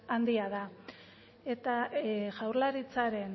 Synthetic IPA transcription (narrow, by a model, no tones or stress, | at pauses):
and̪iað̞a | e̞t̪aʝawɾlaɾit͡saɾe̞n